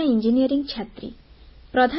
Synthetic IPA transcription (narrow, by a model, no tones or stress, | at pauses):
aind͡ʒinijɔɾiŋt͡ʃʰat̪ɾḭ | pɾɔd̪ʱa